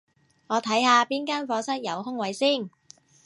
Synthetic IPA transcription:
ŋɔː˨˧t̪ʰɐ˨˥jhaː˧piː˥nkaː˥nfɔː˨˧sɐ˥t̚jɐ˨˧whʊ˥ŋwɐ˨˧jsiː˥˩n

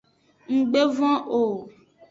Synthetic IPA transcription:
ŋ̩˨ɡ͡be˦vɔ̃˦ʔo˨

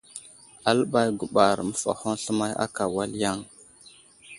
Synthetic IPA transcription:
a˨lɓa˦jɡu˨ɓa˨ɾmə˦fa̰˨ho˦nɬə˦ma˦ja̰˦ka˨wa˦lja˦˨ŋ

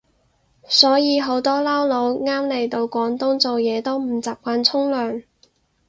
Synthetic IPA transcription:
sɔː˨˥jiː˨˧ɦo˨˥wt̪ɔː˥lɐ˥wlo˨˧˥wŋaː˥mle˨˧jt̪o˧wkʷɔː˨˥nt̪ʊ˥ŋt͡so˨wjɛː˨˧t̪o˥wm̩˨˩t͡saː˨p̚kʷaː˧nt͡sʰʊ˥ŋlœː˨ŋ

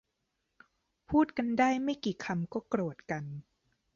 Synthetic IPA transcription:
pʰuː˥˩t̪̚ka˧ndaː˥˩jma˥˩jkiː˨˩kʰa˧mkɔː˥˩kɾu˨˩ət̪̚ka˧n

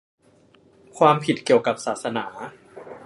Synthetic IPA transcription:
kʰwaː˧mpʰi˨˩t̪̚ki˨˩əwka˨˩p̚saː˨˩t̪̚sa˧naː˩˦

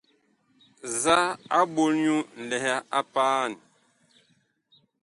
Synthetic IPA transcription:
za˦a˦bo˦lɲu˦n̩˨lɛ˨ɦa˦a˦paː˦˨n˨

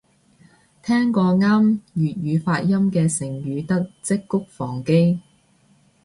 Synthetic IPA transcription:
t̪ʰɛː˥ŋkɔː˧ŋaː˥mjyː˨t̚jyː˨˧faː˧t̚jɐ˥mkɛː˧sɪ˨˩ŋjyː˨˧t̪ɐ˥k̚t͡sɪ˥kːʊ˥k̚fɔː˨˩ŋke˥j

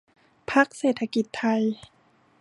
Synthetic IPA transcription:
pʰa˦˥k̚seː˨˩t̪ʰa˧ki˨˩t̪ʰːa˧j

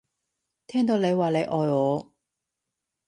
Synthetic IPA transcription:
t̪ʰɛː˥ŋt̪̬o˨˧wle˨˧jwaː˨le˨˧jʔɔː˨jɔː˨˧˥

